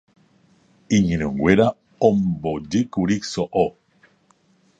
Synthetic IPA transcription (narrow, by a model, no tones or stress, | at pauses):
iɲinoŋɡweɾa | ombodikuɾiksoʔo